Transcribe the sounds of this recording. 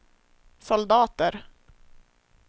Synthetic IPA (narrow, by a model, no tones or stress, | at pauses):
sɔld̪ɑːt̪əɾ